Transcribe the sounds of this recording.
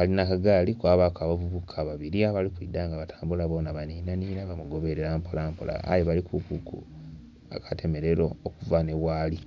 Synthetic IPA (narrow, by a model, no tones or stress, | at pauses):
alinakaɡaːlikwaːβakaβavuβukʰaβaβiɾiaβalikwiːdaːŋɡaβatʰḁːmbulaβo̞ːnaβaniːnaniːnaβamuɡo̞βeɾeɾampolampola̰a̰jeβalikukukṵ | a̰kʰḁtʰe̞me̞ɾe̞ɾookuvane̞waːli